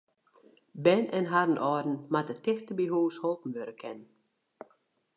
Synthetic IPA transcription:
bɛnɛnɦaɾən̩ʔɔːdn̩mat̚dətɪxtəbiɦuːsholˠpn̩ʋøɾəkʰɛn

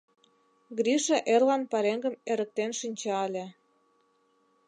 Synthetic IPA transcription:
ɡɾiʃeʔerlɑnpɑɾeŋɡə̆meɾə̆k̚t̪enʃinʲt͡ɕɑɑlʲe

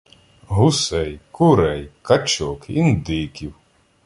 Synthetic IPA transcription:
ɦʊsɛjkʊɾɛjkɐt͡ʃɔkind̪ɪkʲiw

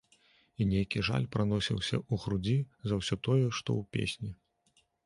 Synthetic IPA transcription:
inʲejkʲiʐa̰lʲpɾanɔsʲiwsʲɐ̰uɣɾud͡zʲizɐwsʲɔt̪ɔjɛʂt̪ɔ̰wpʲḛsʲnʲi

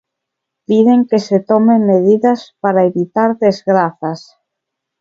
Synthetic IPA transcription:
piðeŋkeset̪ɔmemːeðiðaspaɾaeβit̪aɾðezɣɾaθas

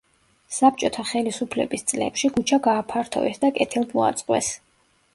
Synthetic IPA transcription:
sap̚t͡ʃʼɔt̪ʰaχɛlisupʰlɛbist̪sʼlɛ̰pʃiɡut͡ʃʰaɡaːpʰaɾt̪ʰɔ̰vɛsd̪akʼɛt̪ʰilˠd̪mɔa̰t̪sʼqʼwɛ̰s

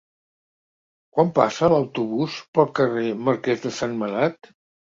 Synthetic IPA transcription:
kwampa̰səːləwt̪uβuspəlˠkəreməɾkɛzðəsanməlat̪

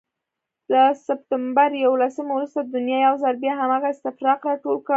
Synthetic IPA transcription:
lasɪp̚ʈ̪ambaɾjawolasəmawɾust̪ad̪əd̪ʊnjɑjawzalbjɑɦamɑɣaɪst̪ɪfɾɑqɾɑʈolka

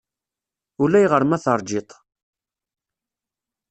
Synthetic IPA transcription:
ulːæjʁəɾmæθəɾˤd͡ʒɪt̪ˤ

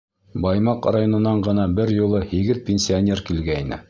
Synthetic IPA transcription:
bɑjmɑqrajonɤ̆nɑɴɢɤ̆nɑbɘɾjulˠɤhiɡɘðpʲenʲsʲɪanʲe̞rkilɡæinɘ̰

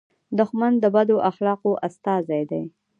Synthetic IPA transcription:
d̪ʊxmand̪əbad̪oʔaxlɑqoʔast̪ɑzajd̪aj

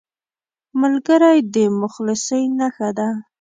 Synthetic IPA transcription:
malɡəɾajd̪əmʊxlɪsəjnaxad̪a

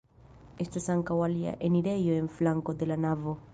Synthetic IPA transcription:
est̪osaŋkawalia̰ʔeniɾejoeɱflaŋkod̪elanavo

